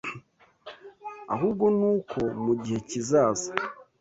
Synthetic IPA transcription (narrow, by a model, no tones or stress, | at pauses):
a̰ɦuːb̚ɡo̞nuːkʰo̞muɟihe̞cizaːza